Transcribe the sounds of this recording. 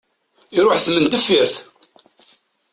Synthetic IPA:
iɾʊħθmənt̪əfːiɾθ

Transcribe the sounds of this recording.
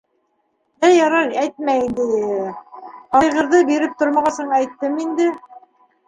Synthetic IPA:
d̪æjɑɾɑɾæjt̪̚mæjind̪ɘ | ɑjʁɤ̆ɾðɤbiɾɘp̚t̪oɾmɑʁɑsɤɴæjt̪ːɘmind̪ɘ

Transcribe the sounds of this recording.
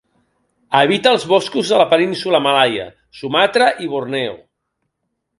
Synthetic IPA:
əβit̪əːlˠzβɔskuzðələpəninsuləmalajə̰ | sumat̪ɾəʔiβurnɛṵ

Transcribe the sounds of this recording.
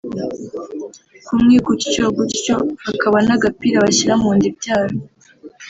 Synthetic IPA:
kumŋiːkuci̥t͡ʃoɡucico̞βakʰaβanaɡapiɾaβaɕiɾamuːɲdibɟaːɾo

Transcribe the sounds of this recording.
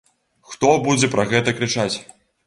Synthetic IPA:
xt̪ɔbud͡zʲɛpɾɐɣɛt̪ɐkɾɨt͡ʂat͡sʲ

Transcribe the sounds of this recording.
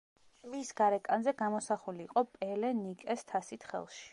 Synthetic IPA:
misɡ̥aɾɛkʼanzɛɡamɔsaχuliːqʼɔpʼɛlɛnikʼɛst̪ʰasit̪ʰχɛ̰lˠʃi̥

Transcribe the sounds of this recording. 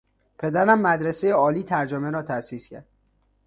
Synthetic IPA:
pʰe̞d̪æɾæmːæd̪ɾesejeɒːliːt̪ʰæɾd͡ʒomeɾɒːt̪ʰæsiːscʰæ̰ɾd̪̥̚

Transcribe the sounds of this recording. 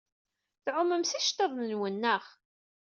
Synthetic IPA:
θʕʊmːəmsæʃt̪ːəðˤnənwənːəχ

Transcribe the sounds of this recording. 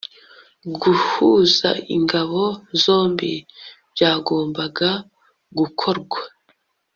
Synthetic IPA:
ɡuhuza̰ḭŋɡaβo̞zo̞ːmbi | bjaːɡo̞ːmbaɡa | ɡukʰo̞ɾɡwḁ

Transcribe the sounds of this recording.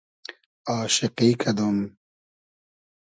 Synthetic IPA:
aːʃiqiːkʰɐd̪um

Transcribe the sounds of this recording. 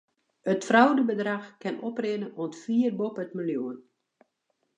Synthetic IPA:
ətfrawdəbədraxkɪnɔprɪnəɔntfiːərbopətmiljuən

